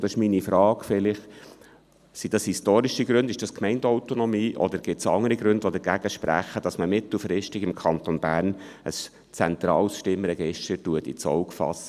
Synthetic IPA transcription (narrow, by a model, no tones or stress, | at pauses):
d̥ɑsɪ̥ʃminifɾɑːɡfɪlɪχ | sid̥ɑshistoːɾiʃiɡɾʉnd̥ɪʃd̥ɑskmɛɪndɔʊtonɔmiːʔɔ̰d̪əɾɡ̥ɪtsɑŋəɾiɡɾʉndʋod̪əɾɡæɡ̥əʃpɾæ̰χəd̥ɑsməmɪt̪l̩ˠfɾɪʃtɪɡɪmkʰɑnt̪onbæːɾn | əs | t͡sɛnt̪ɾɑːlsʃtɪmɾɛɡ̥ɪʃtəɾtuətḭt͡sɔ̰ʊkfɑ̰sə